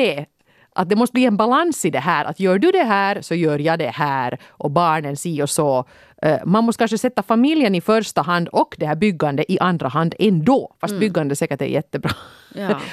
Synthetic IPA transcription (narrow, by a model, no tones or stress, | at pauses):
ɛ | ʔa̰t̪̚d̪ɛmɔst̪əbliːɛnbalansɪd̪ɛɦæːɾʔa̰t̪jœːɖɵd̪ɛɦæːɾsɔjœːɾjɑd̪ɛhæːɾʔɔbɑːɳənsiːɔsɔ | manmɔst̪kʰanʂəsɛt̪ːafamiljənɪfœɾʂt̪aɦand̪ɔkːd̪ɛhæːɾbʏɡːand̪əʔɪʔand̪ɾaɦand̪ɛnd̪oːfast̪̚bʏɡːand̪əsɛːkəʈɛ̰jɛt̪ːəbɾɑː